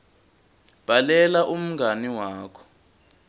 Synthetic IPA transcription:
b̥ʱalɛlaʔum̩ŋɡʱaniwaːkʰɔ̥

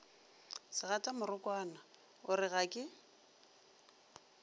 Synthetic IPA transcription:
sɪɣatʼamʊrʊkʼwaːna | ʊrɪɣakʼɪ

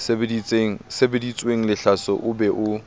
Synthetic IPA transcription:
sbedit͡seŋ̩sebedit͡sʼweŋ̩lɪɬasɔʔʊbɛʔʊ

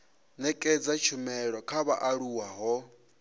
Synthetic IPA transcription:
nɛkʼɛd͡zat͡ʃʰumɛɺɔkʰaβa̰ʔaɺuwaɦɔ

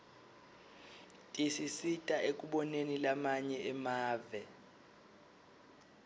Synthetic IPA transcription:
tʼisisitʼaʔek̬ʼuɓɔnenilamaɲɛʔɛmaːvɛ

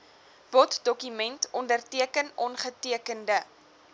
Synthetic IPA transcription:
b̥ɔtdɔkymɛntʰɔndərtiəkənɔnχətiəkəndə

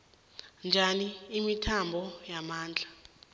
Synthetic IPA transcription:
nd͡ʒʱaniːmitʰambʱɔjamaːnd͡ɮʱa

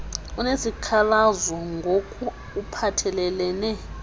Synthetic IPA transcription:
unesikʰalazɔŋɡʱokʰʼu | upʰatʰɛlɛlɛnɛ

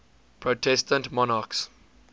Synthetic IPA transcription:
pʰɹotʰɛstə̃ntmɔnaks

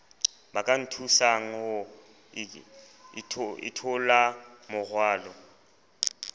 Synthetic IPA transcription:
bakʼan̩tʰusaŋ̩hʊ | ɪ̰tʰʊlamʊɣwaːlɔ

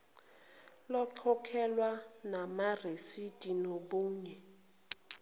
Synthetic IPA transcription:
lɔkʰɔkʰɛlwanamaresid̥ʱinoɓuːɲɛ

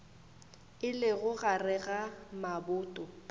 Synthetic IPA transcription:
ɪlɪɣʊɣarɛɣamabʊːtʼɔ

